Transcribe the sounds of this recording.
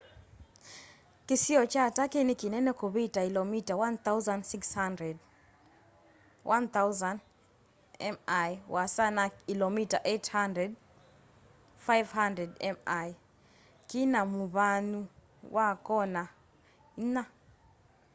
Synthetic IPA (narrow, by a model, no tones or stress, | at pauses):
kisiɔt͡ʃatakenikinɛnɛkɔβitakilɔmitawanθawzandsikshandɹɛd | wʔanθawzand | ɛmajwasanakilɔmitaʔethandɾɛd̚ | fajvhandɾɛdɛmaj | kinamuβanu | wʔakɔna | na